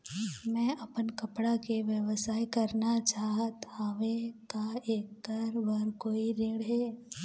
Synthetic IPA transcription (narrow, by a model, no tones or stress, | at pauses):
mɛ̃ʔɐpənkəpɽakeʋjəʋəsaːekɐɾnat͡ʃaːɦt̪aʋekaeːkːəɾbəɾkoːiɾɪ̃ːɽɦɛː